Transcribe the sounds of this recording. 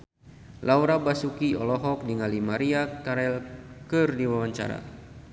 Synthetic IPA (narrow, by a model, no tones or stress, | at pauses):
lʔawɾabasukiɔlɔɦɔk̚diŋalimaɾiakaɾɛlkɨrdiwawaɲt͡ʃa̰ɾa̰